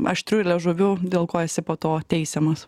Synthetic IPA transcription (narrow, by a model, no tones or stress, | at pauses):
ɐ̰ʃt̪ʲɾʲʊːɪlʲɛʒʊʋʲʊd̪ʲeːlˠkoːɛsʲɪpoːt̪oːt̪ʲɛɪsʲɛmɐs